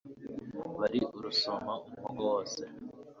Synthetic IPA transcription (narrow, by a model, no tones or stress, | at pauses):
βaɾiʔuɾusomaumuhoɡowoːse